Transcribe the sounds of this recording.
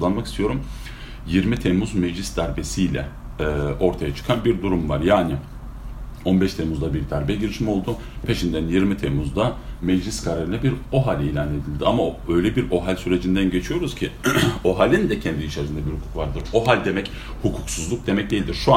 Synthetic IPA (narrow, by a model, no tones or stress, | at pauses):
ulˠanmakist̪ʰijo̞ɾum | jiɾmit̪ʰemuzmɛd͡ʒlʲisd̪æɾbe̞sijlʲɛ̰ | ʔo̞ɾt̪ʰajat͡ʃʰɯ̥kʰanbiɾd̪uɾumvaɾjaːni | o̞nbɛʃt̪ʰemuzd̪abiɾd̪æɾbɛjɟiɾiʃimo̞lˠd̪ʊ | pʰeʃind̪ænjiɾmit̪ʰemuzd̪amɛd͡ʒlʲiskʰaɾaɾɯnɛbiɾo̞ɦalʲelʲane̞d̪ilʲd̪iamaø̞jlʲɛbiɾo̞ɦalʲsyɾe̞d͡ʒind̪ænɟe̞t͡ʃʰijo̞ɾuz̥cʰɪo̞ɦalʲind̪ɛcʰɛnd̪iːt͡ʃʰaɾzɯnd̪abiɾhukʰu̥kvaɾd̪ɯɾo̞ɦalʲd̪e̞mɛc | hukʰuksuzlˠuk̚d̪e̞mɛc̚d̪e̞jilʲd̪iɾʃua